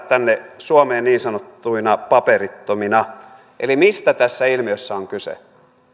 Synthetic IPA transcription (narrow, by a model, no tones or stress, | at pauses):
t̪ænːesuɑmeːnniːnsɑnot̪ːuinɑpɑperit̪ːominɑ | ʔelimist̪æt̪æsːæilmiøsːæoŋkysḛ